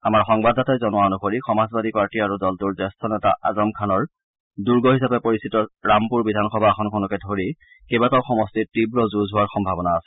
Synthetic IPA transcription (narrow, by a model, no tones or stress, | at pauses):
amaɹxɔŋbadatɔzɔnʊwaonukoɹixɔmazbadik̚paɹtiaɹudɔltuɹzɛstʰɔnɛta̰ʔa̰zɔmkʰanɔɹ | duɹɡɔɦisapɛpoɹisitɔɹampuɹbidʱanxɔbʱaːxʰɔnkʰɔnɔkɛdʱoɹi | kebataʊxɔmɔstitibɹɔzuzɦʊwaɹxɔmbʱabɔnaːsɛ̥